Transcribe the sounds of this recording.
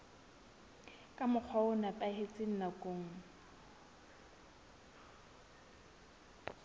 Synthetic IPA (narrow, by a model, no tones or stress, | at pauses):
kʼamʊk͡xʰɔʊnapʼahet͡sʼɪn̩nakʼoːŋ̩